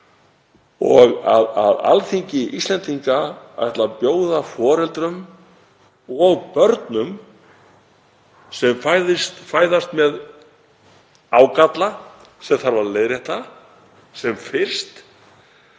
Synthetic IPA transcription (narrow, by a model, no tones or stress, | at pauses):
ɔɣaða̰ða̰lθiɲcɪʔist̪ɛnt̪iŋkaa̰jht̪lapjoːwðafɔːɾɛlt̪ɾʏm | ɔɣpœɾt̪nʏm | sɛmfajðɪst̪faːjðast̪mɛð | aːwkat̪la | sɛmθaɾvaɾleːjðɾɛht̪a | sɛmfɪr̥st̪